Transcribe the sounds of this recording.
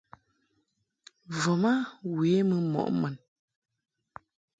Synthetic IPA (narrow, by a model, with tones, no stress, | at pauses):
vɔ˨ma˦we˨˦mə˨mɔ̰˨ʔmɛ˨n